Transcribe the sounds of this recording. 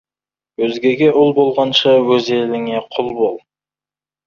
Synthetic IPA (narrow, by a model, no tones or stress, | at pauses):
wɵzɡʲe̞ɡʲe̞ʔʊlˠbo̞lˠʁɑnʃɑwɵze̞lɪŋe̞qʰʊlˠbolˠ